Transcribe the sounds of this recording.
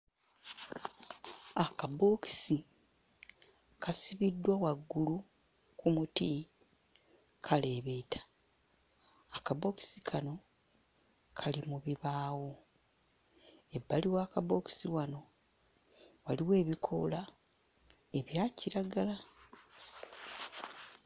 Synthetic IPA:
akabo̞ːki̥si | kʰasiβidːwawaɡːulu | kumuti | kʰale̞ːβetʰḁ | kabo̞ki̥sikʰano̞ | kʰalimuβiβaːwo̞ | e̞bːaliwaːkaboːki̥siwano̞ | waliwe̞ːβikʰo̞̰la | e̞βjaːciɾaɡala

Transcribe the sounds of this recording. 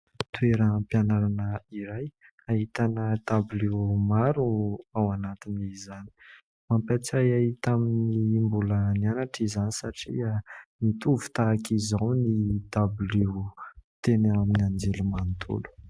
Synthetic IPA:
t̪weɾəpianaɾanəiɾaj | aɦit̪anəd̪ablemaɾuawanat̪inizani̥ | mampat͡sajaɦit̪aminimbulənianaʈ͡ʂizanisaʈ͡ʂḭamit̪uvu̥t̪aːkʰizawnid̪ablut̪enaminiand͡ʒelumant̪ʰṵlu̥

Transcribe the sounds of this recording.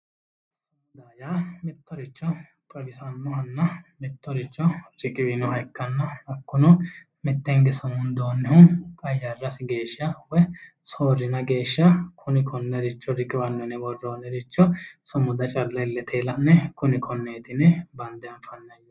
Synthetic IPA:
sɐnd̪aːjaːmɪt̪ːɔɾɪt͡ʃːɔt̪ʼɐɡɪsɐnːɔhɐnːɐmɪt̪ːɔɾɪt͡ʃːɔɾɪkʼɪwɪnɔhɐjkːɐnːɐɐkːʊnɔ | mɪt̪ːɛŋɡɛsʊmʊnd̪oːnːɪhʊkʼɐjːarːɐsɪɡe̞ːʃɐwɛ | soːɾːɪnɐɡe̞ːʃːɐkʰʊnɪkʰɔnːɛɾɪt͡ʃːɔɾɪkʼɪwɐnːɔnɛbɔrːoːnːɛɾɪt͡ʃːɔsʊmʊd̪ɐt͡ʃʼɐlːɐɪlːɛt̪ʰeːlɐʔnːɛkʊnɪkʰɔnːeːt̪ɪnɛbɐnd̪ɪjɐnfɐnːɐjː

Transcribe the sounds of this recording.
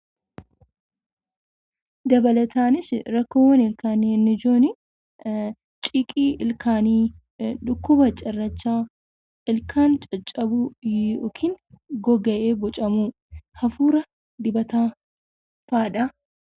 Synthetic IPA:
d̪ɐbɐlɐt̪aːnɪsɾɐkːowɐnɪlkaːniɪnːɪd͡ʒoːnɪ | t͡ʃʼɪkʼiːʔɪlkʰaːniː | ᶑʊkːʊbɐt͡ʃʼɐrːɐt͡ʃːaː | ɪlkaːnt͡ʃʼɐt͡ʃʼːɐbujɔkʰɪnɡɔɡɐʔeːbɔt͡ʃʼɐmu | hɐfuːɾɐ | d̪ɪbɐt̪aː | faːᶑɐ

